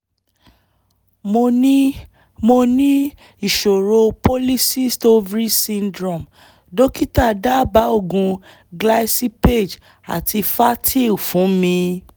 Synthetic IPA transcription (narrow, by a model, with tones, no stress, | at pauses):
mo˧nĩ˦ | mo˧nĩ˦ | i˦˨ʃo˨ɾo˧po˦li˦si˦˨sto˦vɾi˦sĩ˧ndɾɔ˦˨m | do˦ki˦ta˦˨da˦ba˨˦o˦˨ɡũ˧ | ɡla˦si˦pe˦˨d͡ʒ | a̰˨tʰi˧fa˦tʰi˦˨u˨fũ˨˦mĩ˧